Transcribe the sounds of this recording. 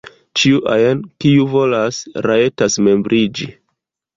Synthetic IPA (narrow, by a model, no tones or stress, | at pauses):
t͡ʃiuʔa̰jenkiuvo̞lasɾaetasme̞mbɾʔid͡ʒi